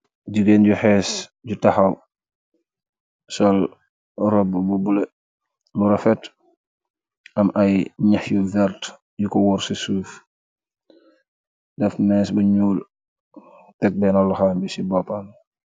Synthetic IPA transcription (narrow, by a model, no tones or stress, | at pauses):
ɟiɡeːnɟuhɛːsɟutaxaw | sɔl | ɾɔbbubule | luɾɔfɛt | ɐmʔajɲaxjuvɛɾt | jukɔwɔɾsisuːf | dɛfnɛːsbɐɲuːl | tɛk̚bɛnalːuxaːmbisibɔpan